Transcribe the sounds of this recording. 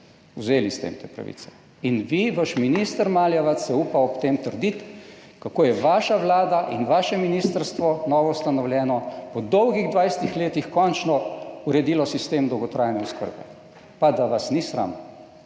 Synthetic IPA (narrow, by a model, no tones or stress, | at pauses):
uzeːlist̪ɛ̰ḭmt̪ḛːpɾa̰ʋḭt̪sɛ̥ | inʋiʋaʃminist̪əɾmaːljaʋasɛupawɔpt̪emt̪əɾd̪it̪ | kakoːjɛʋaːʃaʋlaːd̪aʔinʋaːʃɛminiːst̪əɾst̪ʋɔnɔːʋɔst̪anɔwljɛːnɔpɔd̪ɔwɡiɣd̪ʋajsɛt̪ixleːt̪ixkɔnt͡ʃnɔuɾɛd̪ilɔsist̪eːmd̪ɔwɡɔt̪ɾaːjnɛɔskə̰ɾbɛ̰ | pad̪aʋasnisɾa̰mɔ